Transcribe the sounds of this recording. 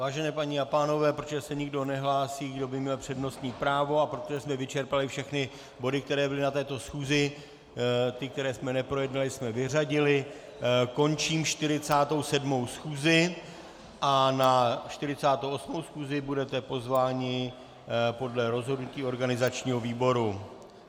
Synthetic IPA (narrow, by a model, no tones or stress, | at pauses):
vaːʒɛnɛːpaɲɪapaːno̞vɛːpɾot̪oʒɛsɛɲɪɡdo̞nɛɦlaːsiːɡdo̞bɪmɲɛlpr̝̥ɛdno̞st̪ɲiːpɾaːvo̞apɾot̪oʒɛsmɛvɪt͡ʃɛɾpalɪfʃɛxnɪ | bo̞dɪk̚t̪ɛɾɛːbɪlɪnat̪ɛːt̪o̞sxuːzɪ | t̪ɪk̚t̪ɛɾɛːsmɛnɛpɾo̞jɛdnalɪsmɛvɪr̝aɟɪlɪ | ko̞nt͡ʃiːmʃt̪ɪɾɪt͡saːt̪o̞wsɛdmo̞wsxuːzɪ | ʔanaʃt̪ɪɾɪt͡saːt̪owʔo̞smowsxuːzɪbudɛt̪ɛpo̞zvaːɲɪ | po̞dlɛɾo̞zɦo̞dnuciːo̞ɾɡanɪzat͡ʃɲiːɦo̞viːbo̞ɾu